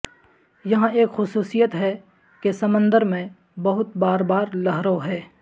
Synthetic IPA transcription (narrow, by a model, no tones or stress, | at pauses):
jɐɦãeːkxʊsuːsijət̪ɦɛ | kesɐmə̃nd̪əɾmẽ | bɐɦʊt̪baːɾbaːɾlɐɦɾoɦɛː